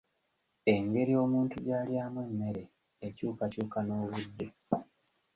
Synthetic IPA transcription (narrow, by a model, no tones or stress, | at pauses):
e̞ŋɡe̞ɾio̞ːmuːntuɟaːljaːmweːmːe̞ɾe̞ː | cuːkacuːkano̞ːβudːe